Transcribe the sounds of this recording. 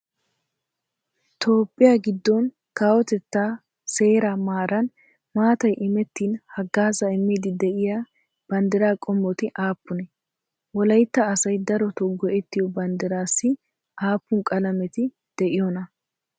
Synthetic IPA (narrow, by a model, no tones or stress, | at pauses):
t̪o̞ːpʼːɪjaːɡɪd̪ːɔn | kaːwɔt̪ɛt̪ːaː | se̞ːɾamaːɾɐn | maːt̪ɐjʔɪmɛt̪ːiːnhɐɡːaːzɐɪmːiːd̪ɪd̪ɛʔɪjaː | b̥ɐnd̪ɛɾaːkʼɔmːɔt̪ɪʔaːpːʊnɛ | wɔlɐjt̪ːɐːsɐjd̪ɐɾɔt̪ɔɡɔʔɛt̪ːɪjɔbɐnd̪ɛɾaːsːɪ | ʔaːpːʊŋkʼɐlɐmɛt̪ɪ | d̪̥ɛʔɪjɔnɐ